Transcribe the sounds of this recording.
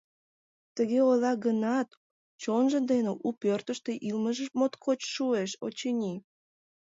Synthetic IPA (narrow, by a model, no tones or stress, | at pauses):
t̪əɣeolɑɣənɑt̪ | t͡ɕonʒə̆d̪eneʔupørt̪əʃt̪eʔilməʒəmot̪kʰot͡ɕʃueʃo̰t͡ɕenʲi